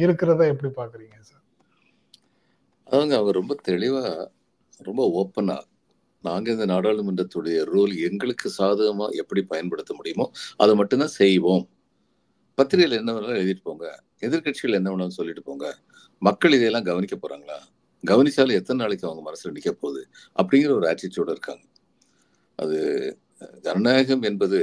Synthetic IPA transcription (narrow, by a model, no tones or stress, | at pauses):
ɪɾɯkːɪɾɐt̪ãːɛpːɐɽipaːɾkɯɾiːŋɡɐsaːɾ | ɐðaːʋɐŋɡɐɐʋɐŋɡɐɾɔmbɐt̪ɛɻɪʋaː | ɾɔmbɐɔːpːɐna̰ː | naːŋɡɐɯnd̪ɐnaːɽaːɭɯmɯndɐt̪ːʊɽɐjɐɾuːlɛŋɡɐɭɯkːɯsaːðɐɣɐma̰ːʔɛpːɐɽipɐjɐnpɐɽɯt̪ːɐmʊɽɪjɯmõːɐ̰ðɯmɐʈːɯnt̪ãːsɛjʋoːm | pɐt̪ːɪɾɪjɐlɛnːɐʋɐnːlaɛɻɯðɪʈːɯ̥pːoːŋɡɐ | ɛðɪɾkɐʈt͡ʃɪɣɐɭɛnːɐʋɐnaːnsɔlːɪʈːɯ̥poːŋɡɐ | mɐkːɐɭɪðɛjɛlːãːɡɐʋɐnɪkːɐpoːɾa̰ːŋɡɐɭa̰ː | ɡɐʋɐnɪt͡ʃːaːlɐ̃ɛt̪ːɐnɐnaːɭɪkʲːɯɐʋɐŋɡɐmɐnɐsːɪlɐnɪkːɐpːoːɾɐðɯ | ʔɐpːɐɽɪŋɡɪɾɐɔɾɯaːʈ̚t͡ʃɪtːoːɽɐɪɾɯkːa̰ːŋɡɐ | ʔɐ̰ðɯ̰ | ɡɐnɐnaːɣɐmɛnbɐðɯ